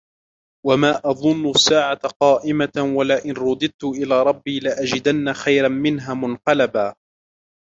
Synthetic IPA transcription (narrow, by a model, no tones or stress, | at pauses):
wamaːʔɑðˤʊnːʊsːaːʕatqɑːʔɪmawalaʔɪnɾˤʊd̪ɨd̪̚t̪ʊʔɪlaːɾˤɑbːiːlɪʔad͡ʒɪd̪anːaxajɾanmɪnɦaːmʊnqɑlabaː